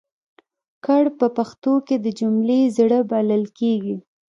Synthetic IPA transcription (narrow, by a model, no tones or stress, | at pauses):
kaɽpəpaxt̪oked̪əd͡ʒumlezɽəbaləlkeɡi